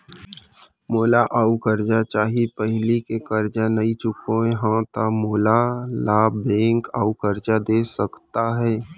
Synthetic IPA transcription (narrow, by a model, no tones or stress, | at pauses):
moːlaʔaːukəɾd͡ʒat͡ʃaːɦipəɦlikekəɾd͡ʒanəit͡ʃʊkõẽɦãt̪amoːlalaːbbẽːŋka̰ːukəɾd͡ʒad̪eːsəkt̪aɦɛː